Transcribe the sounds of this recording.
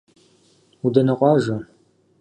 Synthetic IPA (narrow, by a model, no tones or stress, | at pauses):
udɐnɐqʷɑːʒɐ